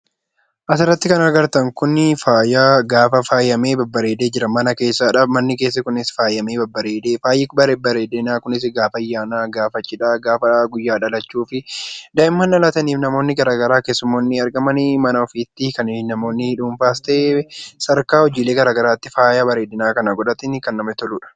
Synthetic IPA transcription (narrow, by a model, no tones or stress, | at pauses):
ʔɐs̬ɪrːɐt̪ːɪkɐnɐɡɐɾt̪ɐŋkʊnːɪfaːjaːɡaːfɐfaːjːɐme̞ːbɐbːɐɾeːd̪eːd͡ʒɪɾɐmɐnɐke̞ːsːaːᶑɐmɐnːɪke̞ːs̬ːɐkʊnɪsfaːjːɐmeːbɐbːɐɾe̞ːd̪eːfaːjːɪkbɐɾbɐɾeːd̪ɪnaːkʊnɪs̬ɪɡaːfɐjːaːnaːɡaːfɐt͡ʃːɪᶑaːɡaːfɐɡʊjːaːᶑɐlɐt͡ʃːuːfɪd̪ɐʔɪmmːɐnːɐlɐt̪ɐniːfnɐmo̞ːnːɪɡɐɾaːɡɐɾaːkeːsʊmːonːɪɐɾɡɐmɐnɪmɐnɐɔfiːt̪ːɪkɐnɪnɐmo̞ːnːɪᶑuːɱfaːst̪eːsɐɾkaːɔd͡ʒiːle̞ːɡɐɾaːɡɐɾaːt̪ːɪfaːjaːbɐɾeːd̪ɪnaːkɐnɐɡɔᶑ̪ɐt̪ɪnɪkɐnːɐmɐt̪ɔluːᶑɐ̥